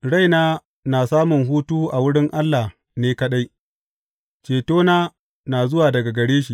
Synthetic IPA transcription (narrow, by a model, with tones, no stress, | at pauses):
ɽa˦jnaː˦ | naː˨saː˦mʊ˨ŋɦuː˦tuː˦ʔa˨wʊ˦ɽɪ˦ŋʔa˦lːa˨h | neː˦kɐ˦ɗa˦j | t͡ʃeː˨toː˦naː˦ | naː˨zʊ˦waː˨dɐ˨ɡa˨ɡɐ˨ɽeː˦ʃ̬i˨